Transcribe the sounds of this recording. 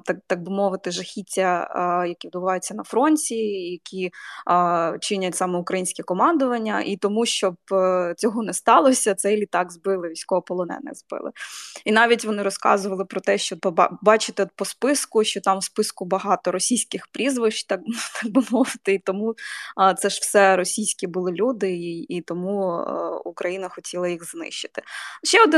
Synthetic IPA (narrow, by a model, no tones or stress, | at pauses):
t̪ɑt̪ɑɡ̚bɪmɔʋɪt̪ɪʒɐxʲitʲːɐjɐkʲiʋd̪bʊʋɑjʊt͡sʲːɐnɐfɾɔnʲtʲijɐkʲʰi | t͡ʃɪnʲɐtʲsɑmɛʊkɾɐjinʲsʲkʲɛkɔmɑnd̪ʊʋɐnʲːɐ̰ʔit̪ɔmuʃt͡ʃɔb̚t͡sʲɔɦɔnɛst̪ɑlˠɔsʲɐt̪sɛjlʲit̪ɑɡzbɪlˠɪʋʲijsʲkɔɦɔpɔlˠɔnɛ̰nɛ̰zbɪ̰lˠɪ̰inɑʋʲitʲʋɔnɪɾɔskɑ̰zʊʋɐlˠɪpɾɔt̪ɛʃt͡ʃɔb̰bɑt͡ʃɪt̪ɪt̪pɔspɪskʊʃt͡ʃɔt̪ɑmspɪskʊbɐɦɑt̪ɔɾɔsʲijsʲkɪxpɾʲizʋɪʃt͡ʃt̪ɑkt̪ʰɑk̚bʊmɔʋɪt̪ɪit̪ɔmut̪sɛʒ̥wsɛɾɔsʲijsʲkʲibʊlˠɪlʲud̪ɪːt̪ɔmu | ukɾɐjinɐxɔtʲʰilˠɐjixznɪ̰ʃt͡ʃːɪ̥t̪ɪ̥ʃt͡ʃɛɔd̪ɪ